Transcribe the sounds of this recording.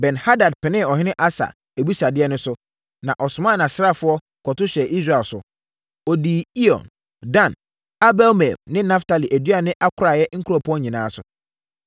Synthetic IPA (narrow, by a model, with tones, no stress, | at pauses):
bɛ̃˨nha˦da˨d̚pʰɛ˨nɪ̃˦˨ɔ˨ɦɪ˦nɪ̃˦ʔa˦sa̰˨ | æ˨bu˦sa˨dɪ˦ɛ˦nʊ̃˦sʊ˦ | nã˨ʔɔ˨sʊ̃˨mã˦˨nã˨sɾa˦˨fʊ˦ɔ˦˨kʰɔ˨tʊ˦ɕɛ˨ʔi˦sɾa˦˨ɛ˨lsʊ̰˨ | ɔ˨diː˨i˦ɔ̰̃˨n | dã˦˨n | a˦bɛ˦lmɛ˨b̚nɪ̃˦nã˦ftʰa˨li˨ʔæ˨dɥa˨nɪ̃˦ʔa˦kʰʊ˦ɾa˨jɛ˦ŋ̩˦kʰɾo˨pʰʊ˦ɔ̃˦ɲĩ˨nãː˦sʊ˨